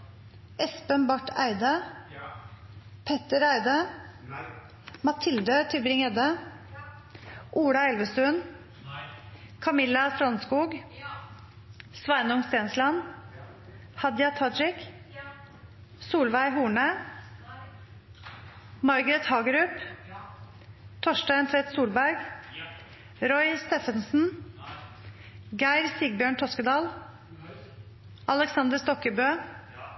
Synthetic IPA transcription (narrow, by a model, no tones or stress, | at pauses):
ʔɛspənbɑʈʰæ̰ɪd̪ə | pʰɛt̪əɾæɪd̪ə | mɑt̪ʰɪld̪ət̪ʰɪbɾɪŋɛd̪ə | ʔuːɽɑɛlʋəst̪ʉn | kʰɑmɪlɑst̪ɾɔnskuːɡ | sʋæɪnʊŋst̪eːnslɑn | hɑd̪jɑt̪ʰɑɾɪk | suːlʋæɪɦuːɳə | mɑɾɡɾɛt̪hɑːɡəɾʉːp | t̪ʰɔʃdɑɪɛnt̪ʰɾɛt̪suːlbæɾɡ | ɾɔʏst̪eːfənsn̩ | ɡæɪɾsiːɡ̚bjøːɳt̪ʰɔskəd̪ɑːl | ʔɑləksɑnd̪əst̪ɔkəbøː